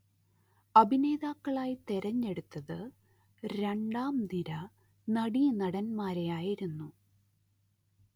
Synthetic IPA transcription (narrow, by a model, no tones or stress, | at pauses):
ɐbʱine̞ːðaːkːɐɭaːjit̪eɾɐɲːe̞ɽut̪ːɐðɨ | ɾe̞ɳɖaːmniɾɐ | nɐɽijnɐɽɐnmaːɾe̞jaːjiɾunːu